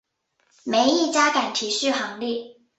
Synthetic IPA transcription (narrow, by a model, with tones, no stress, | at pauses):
me˧˥ɪi˥˩t͡ɕja˥ka˨˩nt̪ʰi˨˩˦ɕy˥˩xɑ˧˥ŋli˥˩